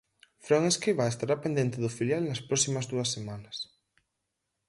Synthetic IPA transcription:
fɾoŋeskɾiβaest̪aɾapend̪ent̪eðʊfiljalnɐspɾɔsimɐzðuɐsːemanɐs

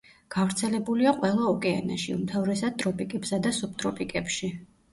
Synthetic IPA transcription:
ɡ̥avɾt̪sʰɛlɛbuliaqʼwɛlˠaɔkʼɛa̰naʃiumt̪ʰavɾɛsad̪̥̚t̪ʼɾɔpʼikʼɛpsad̪asup̚t̪ʼɾɔpʼikʼɛpʃi

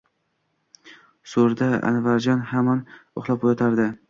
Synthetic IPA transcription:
soɾd̪aa̰nɪvaɾd͡ʒɒnhamanoχlˠap̚ojɒt̪ʰaɾd̪ɪ

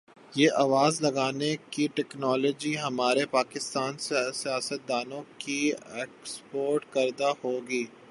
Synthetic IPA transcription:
jeːʔaːʋaːzlɐɡaːnekiʈɛːknɔːlɔːd͡ʒiɦɐmaːɾepaːkɪst̪aːnssijaːsət̪̚d̪aːnõkieːkspoːɾʈkɐɾd̪ahoːɡiː

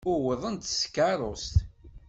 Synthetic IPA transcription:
ʊwəðˤənt̪sə̥kːaɾˤost̪

